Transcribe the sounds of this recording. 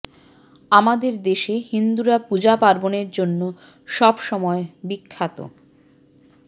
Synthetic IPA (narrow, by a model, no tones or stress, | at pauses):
amad̪eɾd̪eʃehind̪uɾapud͡ʑapaɾboneɾd͡ʑonːo | ʃɔbʃɔmɔebikʰːat̪o̰